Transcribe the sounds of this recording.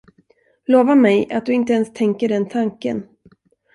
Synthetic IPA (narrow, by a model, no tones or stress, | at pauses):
loːvamɛjʔa̰t̪̚d̪ɵɪnt̪əɛnst̪ʰɛŋkəɖɛnt̪ʰaŋkə̰n